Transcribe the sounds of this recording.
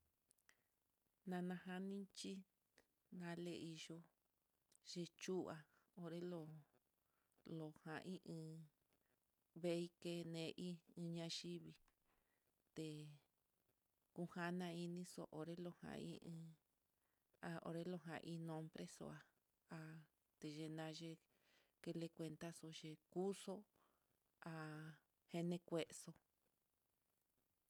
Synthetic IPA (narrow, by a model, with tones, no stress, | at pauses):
nã˧nã˧ɦa˦nĩ˦t͡ʃi˦ | nã˧le˧i˧ʒo˧ | ʒe˧t͡ʃu˦˨a˨ | o˧ɾe˦lo˧ | lo˨hã˨ʔĩ˦ʔɨ̃˧ | βe˦˧˦i˦ke˧nẽ˧ʔi˦ĩ˧ɲã˧ʃi˦βi˧ | t̪e˨ | ku˧ha˦nã˧i˧nĩ˦so̰˧ʔo˨ɾe˦lo˧hã̰˨˧ḭ̃˦ɨ̃˧ | a˧˨o̰˧ɾe˧lo˧ɦã̰˧ʔĩ˧nõ˧mbɾe˦so̰˧a˧ | a˧ | t̪e˧ʒe˧nã˧ʒe˧ | ke˧le˧kʷe˧nt̪a˦so˧ʒe˧ku˦so˦ | a˧˨ | he˧nẽ˧kʷe˧ʔso˧